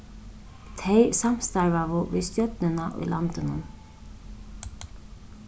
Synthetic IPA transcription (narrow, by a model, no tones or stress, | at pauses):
t̪ʰejsam̥st̪aɹʋavʊʋḭːðst̪jœt̪nɪnaʔʊ̰jlant̪ɪnʊ̰m